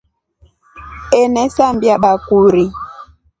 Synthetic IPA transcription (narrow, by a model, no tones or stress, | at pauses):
ɛnɛsambjaɓakuɾi